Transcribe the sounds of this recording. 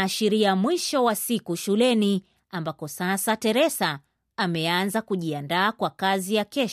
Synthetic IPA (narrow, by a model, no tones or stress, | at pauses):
ʃiɾiamwiʃɔwasikuʃulɛni | ambapɔsasatɛɾɛsa | amɛanzakuʄiandaːkwakazijakɛʃ